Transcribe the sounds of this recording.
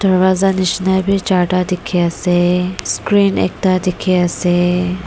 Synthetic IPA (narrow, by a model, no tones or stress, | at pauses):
d̪̥əɾʋaːzaniʃnəjbʱit͡ʃaːʈad̪ikʰeəseskɾiːnḛk̚t̪ad̪ikʰeəse